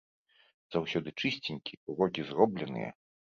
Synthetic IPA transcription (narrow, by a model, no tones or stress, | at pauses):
z̥awsʲɔd̪ɨt͡ʂɨsʲt͡sʲinʲkʲiuɾɔɡʲizɾɔblʲɛnɨ̰jɛ̰